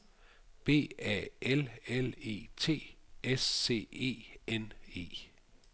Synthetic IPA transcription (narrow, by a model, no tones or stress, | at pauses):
b̥e̝̰ːɛ̰ːelele̝̰ːt͡sʰe̝̰ːʔesːe̝̰ːe̝̰ːʔene̝̰ː